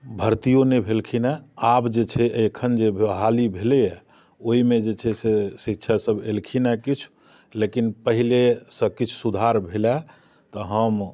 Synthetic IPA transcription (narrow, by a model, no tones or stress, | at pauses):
bʱəɾt̪ijonebʱelkʰinaabd͡ʒet͡ʃʰɛʔekʰənd͡ʒeɦalibʱelɛjɛ | oimed͡ʒet͡ʃʰɛsesikt͡ʃʰasəbelkʰinakit͡ʃʰ | lekinpəɦilesə̃kit͡ʃʰsud̪ʱaɾbʱela | t̪ɔɦəm